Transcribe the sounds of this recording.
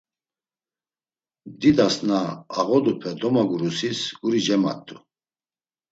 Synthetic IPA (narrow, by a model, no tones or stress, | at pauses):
d̪id̪asnaːɣɔd̪upʰɛd̪ɔmaɡuɾusisɡuɾid͡ʒɛma̰t̪ʰʼːu